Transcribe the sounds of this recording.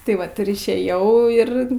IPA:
tɐɪ ˈʋɐt ɪr ɪʃʲˈeːjɛʊ ˈɪr

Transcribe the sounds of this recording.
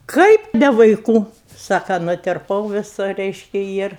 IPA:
ˈkɐɪp nʲɛ ʋɐɪˈkuː ˈsɑːkɐ nʊtʲɪrˈpɐʊ ʋʲɪˈsʊ ˈrʲɛɪʃʲkʲɪ ˈjɪr

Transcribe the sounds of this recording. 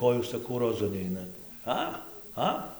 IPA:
ˈkoː juːs sɐˈkɐʊ roːˈzʊ ˈnʲɛɪnɐt ˈɐ ˈɐ

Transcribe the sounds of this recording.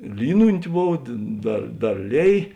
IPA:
ˈlʲiːnʊnʲtʲɪ ˈboːw dʲeː ˈdɐr ˈdɐr ˈlʲeːj

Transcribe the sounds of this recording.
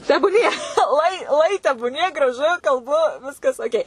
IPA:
tʲɛbuːˈnʲiɛ ˈuɔɪ ˈuɔɪ tʲɛbuːˈnʲiɛ ɡrɐˈʒʊ kɐlˠˈbʊ ˈʋʲɪskɐs oːˈkʲɛɪ

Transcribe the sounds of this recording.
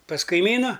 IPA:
pɐs kɐɪˈmʲiːnʊ

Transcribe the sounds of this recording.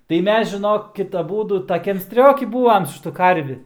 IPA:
tɐɪ ˈmʲɛs ʒʲɪˈnoːkʲɪt ɐˈbuːdʊ tɐˈkʲɛm ˈsʲtʲrʲoːkʲɪ ˈbuːɐm sʊ ˈʃʲɪtʊ ˈkɐrʲʋʲɪ

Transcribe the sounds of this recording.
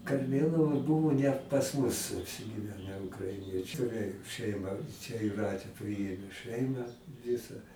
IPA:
kɐrʲˈmʲeːlˠɐʋoːj ˈbʊʋoː nʲɛt pɐs ˈmʊs ɐpʲsʲɪɡʲɪˈʋʲæːnʲɛ ʊkrɐɪˈnʲiɛt͡ʃʲʊ rʲɛɪ ʃʲɛɪˈmɐ t͡ʃʲɛ jʊˈrɑːtʲeː ˈpʲrʲɪeːmʲeː ˈʃɜɪmɑː ˈʋʲɪsɐ

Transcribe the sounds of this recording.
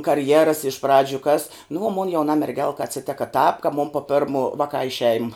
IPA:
kɐrʲˈjæːrɐs ɪʃ ˈprɑːd͡ʒʲʊ kɐs nʊ oː moːn jɛʊˈnɐ mʲɛrʲˈɡʲɛlˠkɐ ɐt͡sʲɪˈtʲæːkɐ tɑːp kɐ mʊm poː ˈpʲɛrmoː ˈʋɑːˌkɑː ɪ ˈʃʲɛɪm

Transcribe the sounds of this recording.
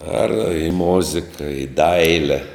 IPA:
ɐr ɪ ˈmoːzʲɪkɐ ɪ ˈdɐɪlʲɛ

